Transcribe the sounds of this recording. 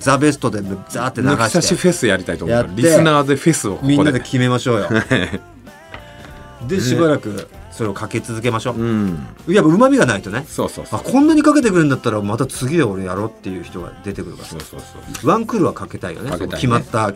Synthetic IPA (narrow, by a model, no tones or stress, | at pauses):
d͡zabe̞sɨ̥t̪o̞d̪e̞md͡zaːt̪ːe̞naɡasaɕeife̞sɨjaɾit̪ait̪ojjat̪ːɾʲiːesɨnaːd̪e̞ɸe̞sɨokmmʲĩnːad̪ekʲʰime̞maɕo̞ːjo̞̰ | d̪e̞ɕibaɾakɯ̟soɾe̞okʰake̞t͡sɨzɨk̬e̞maɕõ̞ː | japːaɯ̟mamʲiɡanait̪o̞nesoːsoːakʰõ̞nːaɲ̟ikake̞t̪e̞kɯɾɯ̟̃nd̪at̪ːaɾamat̪at͡sɨɡʲid̪eo̞ɾe̞jaɾo̞ːt̪ːe̞jɯ̟ːçi̥t̪o̞ɡa̰d̪e̞t̪e̞kɯ̟ɾɯ̟ka̰soo̰βãŋkɯ̟ɾɯ̟βakake̞t̪aḭjonekʲimat̪ːa